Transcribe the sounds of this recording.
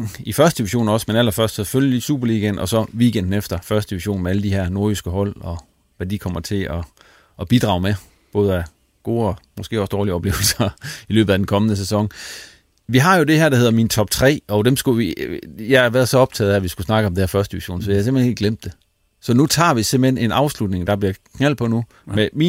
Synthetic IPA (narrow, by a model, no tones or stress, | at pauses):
ifɶɐsd̥əd̥iʋiɕo̝̰ːnɒ̽smenæl̰ɐfɶɐsd̥seføljəlisṵːb̥ɐliɡ̥ænɒ̽sɒ̽ʋiːɡ̥end̥n̩efd̥ɐfɶɐsd̥əd̥iʋiɕo̝̰ːn̩meæləd̥ihæɐ̰no̝ɐ̥isɡ̥əɦɒ̽l̰ɒ̽ | ʋæd̥ikʰɒ̽m̰ɐt͡sʰe̝lɒ̽ː | b̥id̥ʁɑ̰̈ʊme | b̥ɔ̽ːð̞̩ˠæ | ɡ̥o̝ːɒ̽mɒ̽sɡ̥e̝̰ːɒ̽sd̥ɒːliɒ̽b̥le̝ːʊl̩sɐilø̰ːb̥ð̩ˠædenkʰɒ̽mənəsesɒ̽ŋ | ʋiɦɑ̈jo̝d̥e̝hæɐɾ̥ɑhe̝ð̞̰ˠɐmint͡sʰɒ̽b̥̚t͡sʰʁɛ̰ːɒ̽d̥emsɡ̥uʋijɑɪɑʋæɐð̩ˠsɒ̽ɒ̽b̥t͡sʰɛ̰ːðˠææʋisɡ̥usnɑ̈ɡ̥əɒ̽md̥ehæɐfɶɐsd̥iʋiɕo̝̰ːnsɒ̥jɑæse̝mlhenḛɡəɡlem̰d̥ːe̝ | sɒ̽nut͡sʰɑ̰̈ːʋisem̥̰b̥l̥hene̝nɑ̈ʊslud̥ne̝ŋd̥ɑ̈b̥liɐkʰnæl̰̥̚pʰɒ̽nu | memi